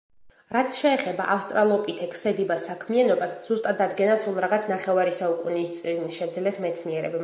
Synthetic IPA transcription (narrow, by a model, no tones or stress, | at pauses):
ɾat̪sʰʃɛːχɛba̰ʔafst̪ʼɾalˠɔpʼit̪ʰɛkʰsɛd̪ibasakʰmianɔbasz̥ust̪ʼad̪ːad̪ɡɛnafsɾulˠɾaʁat̪sʰnaχɛvaɾisaukʼuniːst̪sʼinisʃɛd̪zlɛsmɛt̪sʰniɛɾɛbɛ